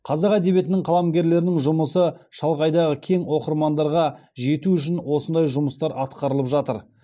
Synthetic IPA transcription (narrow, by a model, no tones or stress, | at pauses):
qʰɑzɑqæd̪e̞bje̞t̪ɪnɪŋqʰɑlˠɑmɡʲe̞ɾle̞ɾɪnɪŋʒʊməsəʃɑlˠʁɑjd̪ɑʁəkʲʰe̞ŋwo̞qəɾmɑnd̪ɑɾʁɑʒe̞t̪uʏʃ̬ɪnwo̞sənd̪ɑjʒʊməst̪ɑɾɑt̪qɑɾəlˠəpʒɑt̪əɾ